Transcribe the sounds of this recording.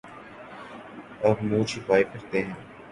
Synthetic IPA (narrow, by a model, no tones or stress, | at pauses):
ɐbmũːt͡ʃʰipaːikɐɾt̪eɦɛ̃ː